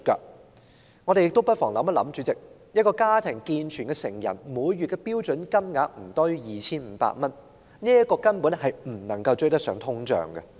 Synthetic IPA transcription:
ka̰˧ | ŋɔː˨˧ɾe˨jɪ˨k̚t̪o˥wpɐ˥t̚fɔː˨˩ŋlɐ̰˨˧˥mɐ˥lɐ̰˨˥mt͡ʃyː˨˧t͡sɪ˨k̚ | jɐ˥t̚kɔː˧kaː˥t̪ʰɪ˨˩ŋkiː˧nt͡ʃʰyː˨˩nkɛ˧sɪ˨˩ŋjɐ̰˨˩nmuː˨˥jɥyː˨t̚kɛ˧piː˥wt͡ʃɵ˨˥nkɐ˥mŋaː˨˥k̚m̩˨˩t̪ɔ˥y˥jiː˨˩t͡sʰiː˥nm̩ː˨˧˥pa̰ː˧t̚mɐ˥n | niː˥ɐ˥kɔː˧kɐ˥npu˨˥nɦɐ˨jm̩˨˩nɐ˨˩ŋkɐ˧wt͡ʃɵ˥jt̪ɐ˥sœː˨˥ŋt̪ʰʊ˥ŋt͡sœ̰ː˨˩ŋɡɐ˧

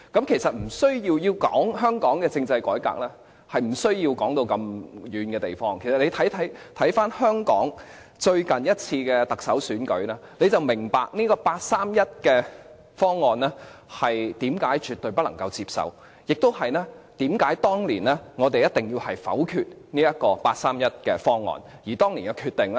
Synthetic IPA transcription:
kɐ˨˥mkʰe˨˩jsɐ˨t̚m̩˨˩sɵ˥ɥji˧wjiː˧wkɔ̰ː˨˥ŋɦœː˥ŋkɔː˨˥ŋkɛː˧t͡sɪ˧ŋt͡sɐ˧jkɔ̰ː˨˥jka̰ː˨k̚lɛː˥ | hɐ˨jm̩˨˩sɵ˥ɥjiː˧wkɔː˨˥ŋt̪o˧wkɐ˧mjyː˨˧nkɛː˧t̪e˨jfɔː˥ŋkʰe˨˩jsɐ˨t̚ne˨˧jt̪ʰɐ˨˥jt̪ʰɐ˨˥jt̪ʰɐ˨˥jfaː˥nhœː˥ŋkɔ̰ː˨˥ŋ | t͡ʃɵ˧ɥkɐ˨njɐ˥t̚t͡sʰiː˧kɛː˧t̪ɐ˨k̚sɐ̰˨˥wsyː˨˥nkɵ̰˨˥ɥnɛː˥ne˨˧jt͡sɐ˨wmɪ˨˩ŋpaː˨k̚niː˥kɔː˧paː˧t̚saː˥mjɐ˥t̚kɛː˧ | fɔː˥ŋːɔː˨nlɛː˥hɐ˨jt̪iː˨˥mkaː˨˥jt͡ʃyː˨t̪ɵ˨ɥpɐ˥tlɐ˨˩ŋkɐ˧wt͡siː˧p̚sɐ̰˨w | jɪ˨˩k̚t̪o˥whɐ˨jnɛː˥t̪iː˨˥mkaː˨˥jt̪ɔː˥ŋliː˨˩nɛː˥ŋɔː˨˧t̪e˨jɐ˥t̚t̪ɪ˨ŋjiː˧whɐ˨jfɐ̰˨˥wkʰyː˧t̚niː˥jɐ˥t̚kɔː˧paː˧t̚saː˥mjɐ˥t̚kɛ̰ː˧fɔː˥ŋːɔ̰ː˨njiː˨˩t̪ɔː˥ŋli˨˩jkɐ˧kʰyː˧t̪ːɪ˨ŋlɛ˥

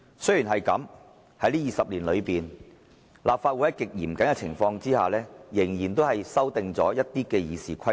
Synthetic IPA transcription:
sɵ˥ɥjyː˨˩nɦɐ˨jkɐ̰˨˥m | hɐ˨˥jliː˥jiː˨sɐ˨p̚liː˨˩nlɵ˨˧ɥpiː˨n | lʔaː˨p̚faː˧t̚wu˧˥jɐ˥kɪ˨k̚jiː˨˩mkɐ˨˥nkɛ˧t͡sʰɪ˨˩ŋfɔː˧ŋt͡siː˥ha̰ː˨lɛː˥jɪ˨˩ŋjiː˨˩nt̪o˥whɐ˨jsɐ˥wt̪ɪ˨ŋt͡sɔ̰ː˨˥jɐ˥t̚t̪iː˥kɛː˧jiː˨˧siː˨kʷʰɐ˥

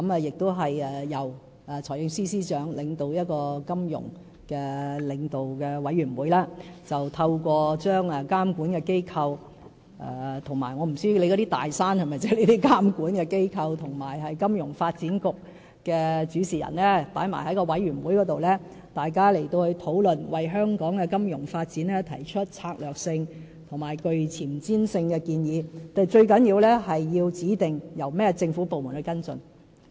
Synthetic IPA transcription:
kɐ˧˥mɛ˨˧jɪ˨k̚t̪o˥wɦɐ˨jɛː˨ɐ˨˩w | ɛ˨t͡ʃʰɔː˨˩jɪ˧ŋsiː˥siː˥t͡ʃœː˨˥ŋlɪ˨˧ŋt̪o˧wjɐ˥t̚kɔː˧kɐ˥mjʊ̰˨˩ŋ | kɛː˧lɪ˨˧ŋt̪o˨wkɛː˧wɐ˨˥jɥyː˨˩nwuː˨˥jlɛː˥t͡sɐ˨wt̪ʰɐ˧wkʷɔː˧t͡ʃœː˥ŋɛ˨kaː˥mkuː˨˥nkɛ˧ke˥jkʰɐ˧w | ɛ̰˧t̪ʰʊ˨˩ŋma̰ː˨˩jŋɔː˨˧m̩˨˩syː˥˧le˨˧jkɔ˨˥t̪iː˥t̪a̰ː˨jsaː˥nhɐ˨jmɐ˨˩jt͡sɛ˥le˨˧t̪iː˥kaː˥mkuː˨˥nkɛː˧ke˥jkʰɐ˧wt̪ʰʊ˨˩ŋmaː˨˩jɦɐ˨jkɐ˥mjʊ˨˩ŋfaː˧t̚t͡siː˨˥nkʊ˨k̚ | kːɛː˧t͡syː˨˥siː˨˩jɐ̰˨˩nlɛː˥paː˨˥jma̰ː˨˩jhɐ˨˥jkɔː˧wɐ˨˥jɥyː˨˩nwuː˨˥jkɔː˨˥t̪o˨wlɛː˥ | t̪aː˨jkaː˥le˨˩jt̪o˧whɵ˧ɥt̪ʰo˨˥wlɵ˨nwɐ˨jɦœː˥ŋkɔː˨˥ŋkɛ˧kɐ˥mjʊ˨˩ŋfaː˧t̚t͡siː˨˥nɛː˥t̪ʰɐ̰˨˩jt͡ʃʰɵ˥t̚t͡sʰaː˧k̚lœː˨k̚sɪ˧ŋ | t̪ʰʊ˨˩ŋmaː˨˩jkɵ˧ɥt͡sʰiː˨˩mt͡siː˥nsɪ˧ŋkɛː˧kiː˧njiː˨˧t̪a˨˩jt͡ʃɵ˧ɥkɐ˨˥njiː˧wlɛː˥hɐ˨jːiː˧wt͡siː˨˥t̪ɪ˨ŋjɐ˨˩wmɛː˥t͡sɪ˧ŋfuː˨˥po˨wmuː˨˩nhɵ˧˥kɐ˥nt͡sɵ̰˧n

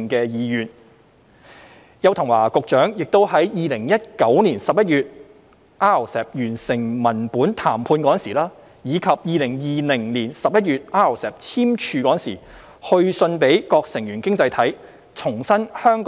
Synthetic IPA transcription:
ŋkɛː˧jiː˨˧jyː˨˩n | jɐ˧wt̪ʰɐ˨˩ŋwaː˨˩kʊ˨k̚t͡ʃœː˨˥ŋjɪ˨k̚t̪o˥wɦɐ˨˥jjiː˨lɪ˨˩ŋjɐ˥t̚kɐ˨˥wniː˨˩nsɐ˨p̚jɐ˥t̚jyː˨t̚ | ʔaː˥˨˩sɛː˨p̚jyː˨˩nsɪ˨˩ŋmɐ˨˩npuː˨˥nt̪ʰaː˨˩mpʰuː˧nkɔ˨˥˨nsiː˨˩laː˥ | jiː˨˧kʰɐ˨p̚jiː˨lɪ˨˩ŋjiː˨lɪ˨˩ŋliː˨˩nsɐ˨p̚jɐ˥t̚ɥyː˨t̚ʔaː˥˩o˨˩sɛː˨p̚t͡sʰiː˥mt͡ʃʰyː˨˧kɔː˨˥˨nsḭː˨˩ | hɵ˧ɥsɵ˧npe˨˥jkɔː˧k̚sɪ˨˩ŋjyː˨˩nkɪ˥ŋt͡sɐ˧jt̪ʰɐ˨˥j | t͡sʰʊ˨˩ŋsɐ˥nhœː˥ŋkː

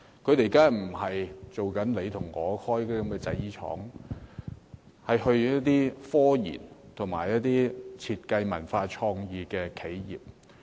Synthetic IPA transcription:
kʰɵ˨˧t̪e˨˩jkaː˥m̩˨˩hɐ˨jt͡so˨wkɐ˨˥nle˨˧jt̪ʰʊ˨˩ŋːɔː˨˧hʰɔː˥jkːkɐ˨˧mkɛː˧t͡sɐ̰˨˥jiː˥t͡ʃʰɔ̰ː˨˥ŋ | hɐ˨jɦɵ˧ɥɐ˥t̚t̪iː˥fɔː˥jḭː˨˩nt̪ʰʊ˨˩ŋma̰ː˨˩jːɐ˦˥t̚t̪iː˥t͡sʰiː˧t̚kɐ˧jmɐ̰˨˩nfaː˧t͡ʃʰɔː˧ŋjiː˨kɛː˧kʰe˨˥jjiː˨p̚

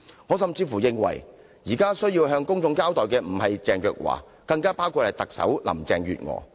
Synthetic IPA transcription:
ŋɔː˨˧sɐ˨mt͡siː˧fuː˨˩jɪ˧ŋwɐ̰˨˩j | jiː˨˩kaː˥sɵ˥ɥjiː˧wɦœː˧ŋkʊ˥ŋt͡ʃʊ˧ŋkaː˥wt̪ɔː˨jkɛː˧m̩˨˩hɐ˨jt͡sɛː˨ŋjœː˧k̚wa̰ː˨˩ | kɐ˧ŋkaː˥paː˥wkʰu˧t̚hɐ˨˩jt̪ɐ˨k̚sɐ̰˨˥wlɐ̰˨˩mt͡sɛː˨˧ŋɥy̰ː˨t̚ŋɔ̰ː˨˧

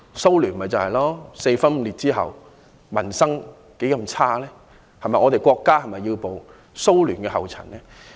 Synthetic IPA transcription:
so˥wlyː˨˩nmɐ˨˩jt͡sɐ˨˩hɐ˨jlɔː˥se˧jfɐ˥nm̩˧liː˨t̚t͡siː˥ɦɐ̰˨w | mɐ˨˩nsɐ˥ŋ | ke˨˥jkɐ˧mt͡sʰaː˥lɛː˥ | hɐ˨jmɐ˨jŋɔː˨˧t̪e˨jkʷɔː˧kːaː˥hɐ˨jmɐ˨jːiː˧wpo˨w | so˥wlyː˨˩nkɛː˧ɦɐ˨wt͡sʰɐ˨˩nlɛː˥

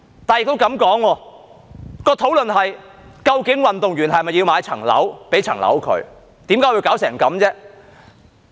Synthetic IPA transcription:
t̪aː˨jɪ˨k̚t̪o˥wkɐ˨˥mkɔː˨˥ŋwɔː˧ | kɔː˧t̪ʰo˨˥wlɵ˨nɦɐ˨j | kɐ˧wkɪ˨˥ŋwɐ˨nt̪ʊ˨ŋɥyː˨˩nɦɐ˨jmɐ˨jːi˧wmaː˨˧jt͡sʰɐ̰˨˩ŋlɐ̰˨˥wpe˨˥jt͡sʰɐ˨˩ŋlɐ̰˨˥wkʰɵ̰˨˧ɥ | t̪i˨˥mkaː˨˥wi˧wkaː˨˥wsɛː˨˩ŋkɐ˨˥mt͡sɛː˥

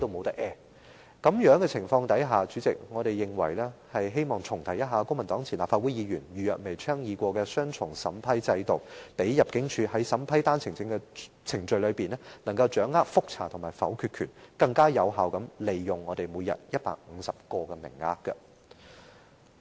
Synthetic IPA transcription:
t̪o˧wmo˨˧wt̪ɐ˥k̚ʔɛː˥˧ | kɐ˨˥mjœː˨˥ŋkɛ˧t͡sʰɪ˨˩ŋfɔː˧ŋt̪ɐ˨˥jɦaː˨t͡ʃyː˨˥t͡sɪ˨k̚ŋɔː˨˧ɾe˨jːɪ˨ŋwɐ˨˩jlɛː˥hɐ˨jɦe˥jmɔː˨˩ŋt͡sʰʊ˨˩ŋt̪ʰɐ˨˩jɐ˥t̚ɦaː˨˧kʊ˥ŋmɐ˨˩nt̪ɔː˨˥ŋt͡sʰi˨˩nlaː˨pfaː˧t̚wu˨˥jiː˨˧jyː˨˩nɥyː˨jœ̰ː˨t̚me˨˩jt͡ʃʰœː˥ŋjiː˨˧kʷɔː˧kɛː˧sœː˥ŋt͡ʃʰʊ˨˩ŋsɐ˨˥mpʰɐ˥jt͡sɐ˧jt̪o˨wpe˨˥jjɐ˨p̚kɪ˨˥ŋt͡ʃʰyː˧ɦɐ˨˥jsɐ˨˥mpʰɐ˥jt̪aː˥nt͡sʰɪ˨˩ŋt͡sɪ˧ŋkɛ˧ | t͡sʰɪ˨˩ŋt͡ʃɵ˧ɥlɵ˨˧ɥpiː˨nɛː˥nɐ˨˩ŋkɐ˧wt͡ʃœː˨˥ŋːaː˥k̚fʊ˥k̚t͡sʰa̰ː˨˩t̪ʰʊ˨˩maː˨˩jfɐ̰˨˥wkʰy˧t̚kʰyː˨˩nkɐ˧ŋkaː˥jɐ˨˧wɦaː˨wkɐ˨˥mle˨˩jːʊ˨˩ŋːɔː˨˧t̪e˨jmuː˨˧jɐ̰˨t̚jɐ˥t̚pa̰ː˧k̚m̩˨˧sɐ˨p̚kɔː˧kɛ˧mɪ̰˨˩ŋːa̰ː˧˥kkːɐ̰˧

